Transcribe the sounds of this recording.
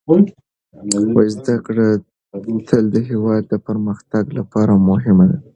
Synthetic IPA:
wajzd̪akɽə | t̪ʰəld̪əɦewɑd̪̚ːəpəɾməxt̪aɡlapɑɾamʊɦɪmad̪a

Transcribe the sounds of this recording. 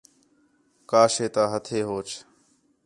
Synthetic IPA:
kaːʃeːt̪aːɦət̪ʰeːɦoːt͡ʃʰ

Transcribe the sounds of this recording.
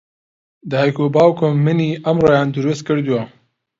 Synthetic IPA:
d̪əhajkoːbɑːwkʰomːɨniːɐmroːjɑːnd̪uɾust̪̚kɨɾd̪uwa

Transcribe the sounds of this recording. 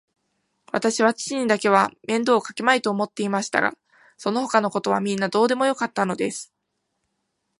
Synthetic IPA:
βa̰t̪aɕiβ̞at͡ɕi̥t͡ɕiɲ̟id̪ake̞β̞amẽ̞nd̪o̞ːkḁke̞mait̪o̞ːmo̞t̪ːe̞imaɕi̥t̪a̰ɡa̰ | so̞no̞ɦo̞kano̞ko̞t̪o̞βa̰mʲĩnːad̪o̞ːd̪e̞mo̞jo̞kat̪ːano̞d̪e̞sɨ̥

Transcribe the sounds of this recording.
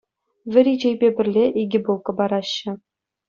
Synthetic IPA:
vʲɘ̆ɾʲid͡ʑejbʲebʲɘ̆rʲlʲeʔiɡʲɘbulˠkɤ̆bɑɾɑɕːɘ̆

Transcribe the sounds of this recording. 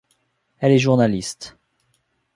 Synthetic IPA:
ɛlɛʒuʁnalist̪

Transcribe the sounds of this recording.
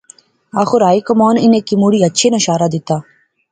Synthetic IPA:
aːxʊɾaːikɐmaːnɪneːkimuːɽiːɐtːʃʰenɐʃaːɾad̪ɪt̪aː

